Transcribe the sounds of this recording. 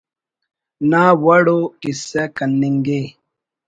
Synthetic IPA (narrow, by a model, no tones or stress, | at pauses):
nawaɽokisɛkanːiŋɡe